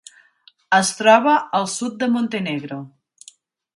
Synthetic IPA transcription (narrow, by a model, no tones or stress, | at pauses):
əst̪ɾɔβəːlˠsut̪̚d̪əmont̪eneɣɾo